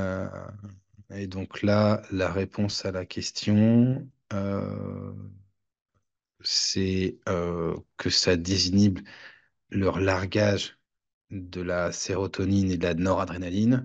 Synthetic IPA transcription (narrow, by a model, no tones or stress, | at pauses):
ø̰ | ed̪ɔ̃klalaʁepʰɔ̃salakʲɛst̪jɔ̃ | ø̰ | sɛøkʰəsad̪ezinibl | lœʁlaʁɡʲaʒ | d̪əlaseʁɔt̪ɔnined̪əlanɔʁad̪ʁenalin